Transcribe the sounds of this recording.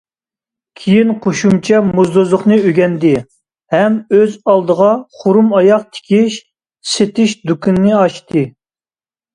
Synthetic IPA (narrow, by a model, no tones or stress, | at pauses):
kʲʰijinqʰoʃumt͡ʃʰɛmuzd̪ozlˠʊχnɨøɡʲɛnd̪ɪ | hɛmøzɑlˠd̪əʁɑχoɾumɑjɑq̚t̪ʰɪ̥kʲʰiʃ | set̪ɪʃd̪ukʲʰynːɨɑʃt̪ʰɨ